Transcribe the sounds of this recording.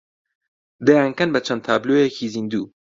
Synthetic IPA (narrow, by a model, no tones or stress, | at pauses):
d̪eaŋkɐnbɐt͡ʃʰɐnd̪t̪ʰaːblojekʰizind̪uː